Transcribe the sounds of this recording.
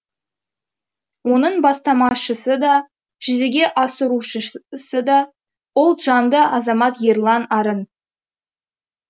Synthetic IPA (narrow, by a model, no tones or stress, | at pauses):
wo̞nəɴbɑst̪ɑmɑʃəsəd̪ɑ | ʒ̥ʏzeɡʲe̞ʔɑsəɾuʃəsəd̪ɑ | ʊlˠʒ̥ɑnd̪əʔɑzɑmɑt̪jerlˠɑnɑɾən